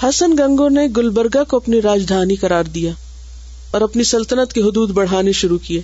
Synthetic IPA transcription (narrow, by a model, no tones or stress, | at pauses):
hɐsənɡɐ̃ŋɡoneɡʊlbəɾɡakoɐpniɾaːd͡ʒd̪ʱaːniqɐɾaːɾd̪ija | ɔːɾɐpnisɐlt̪ənət̪keɦʊd̪uːd̪bɐɽ̤aːneʃʊɾukieː